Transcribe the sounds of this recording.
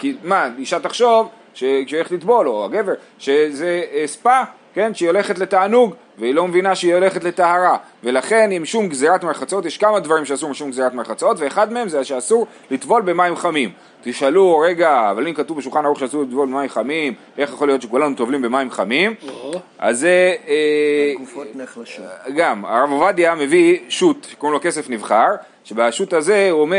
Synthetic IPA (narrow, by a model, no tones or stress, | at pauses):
kimaiʃat̪aχʃo̞v | ʃeʃeoleetlit̪bo̞loa̰ɡe̞veʁ | ʃezeːspa | ke̞nʃeio̞le̞χe̞tle̞t̪aːnuɡ | veilo̞mevinaʃeiole̞χetle̞t̪aaʁave̞laχe̞nimʃumɡzeʁat̪meʁχat͡so̞t̪jeʃkamad̪vaʁimʃeasuʁmiʃumɡzeʁat̪meʁχat͡so̞tve̞ːχad̪mee̞mzeaʃeasuʁ | lit̪bo̞lbe̞maimχamim | t̪iʃaluʁe̞ɡaːvalimkat̪uvbeʃulχanaʁuχʃeasuʁlit̪vo̞lbemaimχamim | ʔe̞χjaχo̞lijo̞t̪ʃe̞kulanut̪ovlimbe̞maimχamim | ʔa̰ze | ɡama̰ʁavovadjame̞viʃut̪ʃekoʁimloke̞se̞fnivχaʁ | ʃe̞baʃut̪aze̞uome